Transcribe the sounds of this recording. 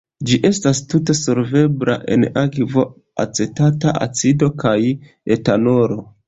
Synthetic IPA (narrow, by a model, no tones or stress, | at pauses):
d͡ʒiʔe̞stastute̞solve̞bɾa̰ʔe̞̰nakvo̞ | a̰t͡se̞tataʔa̰t͡sido̞kaj | e̞tano̞ɾo̞